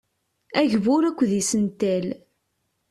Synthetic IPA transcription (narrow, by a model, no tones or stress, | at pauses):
æʝvʊɾækʷːðisənt̪æl